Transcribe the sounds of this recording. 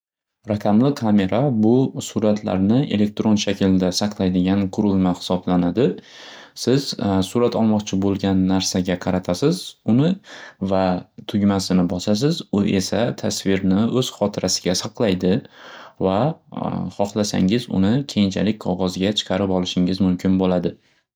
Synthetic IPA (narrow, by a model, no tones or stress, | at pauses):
ɾakʰʲamlɪkʰame̞ɾabʊsʊɾat̪ʰla̰ɾnɪʔe̞̰le̞k̚ʲt̪ɾo̞nʃakʲʰɪld̪asɑqʰlˠajd̪ɪɡʲanqʰʊɾɪlˠmahɪ̥sɒblanad̪ɪ | sɪz̥sʊɾat̪ʰɒlˠmɒqt͡ʃʰɪbolˠɡʲanːaɾsaɡʲaqʰɑɾat̪ʰasɪzʊnɪvat̪ʰʊɡʲmasɪnɪbɒsasɪzʊʔe̞sat̪ʰasvɪɾnɪɵz̥χɒt̪ʰɪɾasɪɡʲasɑqlˠajd̪ɪva | χɒχlˠasa̰ŋɪzʊ̰nɪkʲʰe̞jɪnt͡ʃʰa̰lɪk̚ʲqʰɒʁɒzɡʲat͡ʃʰɨ̥qʰɑɾɪpɒlˠɪʃɪŋɪzmʊmkʰʲɪnbolad̪ɪ